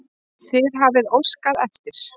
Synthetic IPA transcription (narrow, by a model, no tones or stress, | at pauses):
θɪɾɦavɪðowskaðɛft̪ɪɾ̥